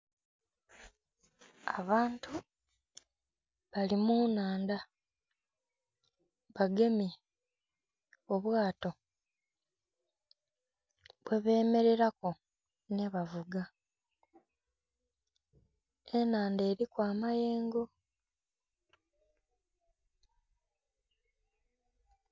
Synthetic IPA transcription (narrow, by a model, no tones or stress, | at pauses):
aβaːntu | βalimunaːnda | βaɡe̞mi | oβwaːto̞ | βwe̞βeːme̞ɾe̞ɾako̞ | ne̞βavuɡa | enaːnde̞ːɾikwaːmaje̞ːŋɡo̞